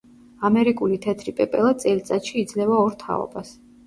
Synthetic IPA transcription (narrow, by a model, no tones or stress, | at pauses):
amɛɾikʼulit̪ʰɛt̪ʰɾipʼɛpʼɛlˠasʼɛlt̪sʼat̪ʃiːd̪zlɛvaɔɾt̪ʰa̰ɔ̰bas